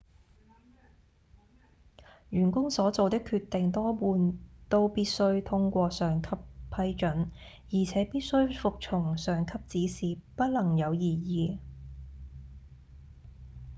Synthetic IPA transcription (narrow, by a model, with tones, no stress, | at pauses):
jyː˨˩nkʊ˥ŋsɔː˨˥t͡so˨wt̪ɪ˥kʰyː˧t̪ɪ˨ŋt̪ɔː˥puː˨˧nt̪o˥wpiː˥t̚sɵ˥ɥt̪ʰʊ˥ŋkʷɔː˧sœː˨˩ŋkʰɐ˥ppʰɐ˧jt͡ʃɵ˨˥n | jiː˨˩t͡sʰɛː˨˥piː˥t̚sɵ˥ɥfʊ˨k̚t͡ʃʰʊ˨˩ŋsœː˨˩ŋkʰɐ˥p̚t͡siː˨˥siː˨pɐ˥t̚lɐ˨˩ŋjɐ˨˧wjiː˨˩jiː˨˧